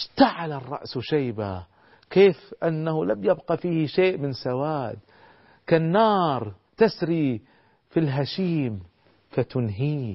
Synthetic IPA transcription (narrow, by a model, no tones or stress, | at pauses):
ʃt̪aʕalarˤːɑ̰ʔsʃajba | keːfʔanːahʊlamjabqɑfiːhʃeːʔmɪnsawaːd̪ | kanːɑːɾˤ | t̪asɾi | filɦaʃiːm | fat̪ʊnɦiː